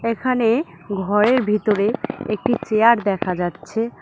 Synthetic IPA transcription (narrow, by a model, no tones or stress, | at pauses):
ekʰane | ɡʱɔɾeɾbʱit̪oɾeek̚ʈit͡ɕeaɾd̪ɛkʰad͡ʑatːɕʰe